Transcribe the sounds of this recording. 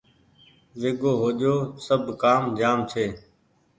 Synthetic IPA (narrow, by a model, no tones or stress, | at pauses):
ʋeːɠoːɦoːʄoːsəbʱkaːmd͡ʒaːmt͡ʃʰeː